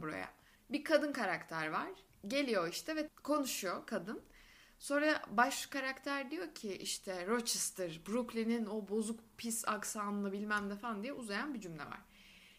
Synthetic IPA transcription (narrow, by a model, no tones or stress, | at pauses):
buɾa̰ja̰ | bikʰad̪ɯnkʰaɾakt̪ʰæɾvaɾ̥ | ɟe̞lʲijo̞iʃt̪ʰɛvɛkʰo̞nuʃujokʰad̪ɯn | so̞nɾaabaʃkaɾakt̪ʰæɾd̪ijo̞ɾcʰiʔiʃt̪ʰɛɾot͡ʃʰist̪ʰɯɾbɾuklʲininobo̞zukpʰisa̰ksaːnɯabilʲmæmd̪ɛfand̪ijɛʔuzajanbid͡ʒymlʲɛ̰va̰ɾ̝̥